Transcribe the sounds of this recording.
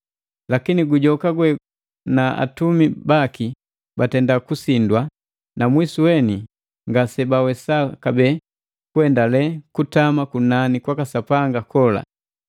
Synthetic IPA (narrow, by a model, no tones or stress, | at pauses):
lakiniɡuɟɔkaɡwɛ | naa̰tumibaki | batɛndakusindwa | namwisuwɛni | ŋɡasɛbawɛsakabɛː | kuɛndalɛkutamakunanikwakasapaŋɡakɔla̰